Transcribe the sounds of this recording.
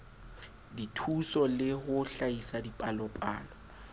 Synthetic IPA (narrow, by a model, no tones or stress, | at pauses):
ditʰusɔlɪhʊɬaisadipʼalɔpʼa̰ːlɔ